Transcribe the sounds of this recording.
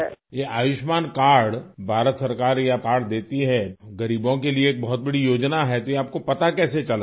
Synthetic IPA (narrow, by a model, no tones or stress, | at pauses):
jeʔaːjɪʃmaːnkaːɽbʱaːɾət̪sɐɾkaːɾjakaːɽd̪eːt̪iɦɛɡɐɾiːbõkelieːk̚bɐɦɔt̪̚bɐɽijoːd͡ʒnaɦɛt̪ojeaːp̚kopɐt̪akɛːset͡ʃɐlaː